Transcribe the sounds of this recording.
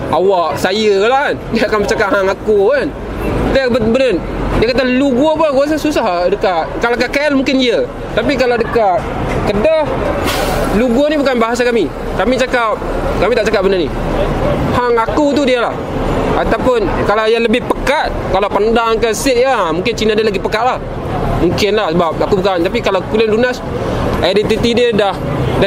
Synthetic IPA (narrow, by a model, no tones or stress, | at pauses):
awaʔsajəlahandiakamit͡ʃakaʔhaŋakuan | dibəbənən | diakat̪aluɡuopɡuas̬asusahdəkaʔkalakakalmuŋkɪndiə | t̪ap̬ikalawdəkat̚ | kədah | luɡonibukanbaɦas̬akami | kamit͡ʃakap̚kamit̪aʔt͡ʃakap̚bənarni | haŋakut̪udiəlah | at̪awpʊnkalawjaləbɪhpəkat̪̚kalawpandaŋkəsɪʔjaamuŋkɪnt͡ʃinadəlaɡipəkat̪̚lah | muŋkɪnlahsəbap̚akubukant̪apikalakulɪnlunas | ʔadit̪it̪idədahda